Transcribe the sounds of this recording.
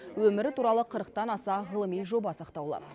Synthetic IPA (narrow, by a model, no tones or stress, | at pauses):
wɵmɪɾɪt̪uɾɑlˠəqʰəɾəq̚t̪ɑnɑsɑʁəlˠəmijʒo̞bɑsɑqt̪ɑwlˠɑ̰